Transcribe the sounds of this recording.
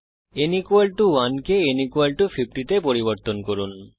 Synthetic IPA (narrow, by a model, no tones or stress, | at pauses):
enikualʈuwankeenikualʈufʰip̚ʰʈit̪epoɾiboɾt̪onkoɾun